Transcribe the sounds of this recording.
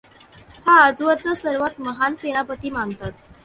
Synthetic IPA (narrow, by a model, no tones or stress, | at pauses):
haəd͡zʋət͡səsəɾʋat̪məɦanseñapət̪iːmant̪at̪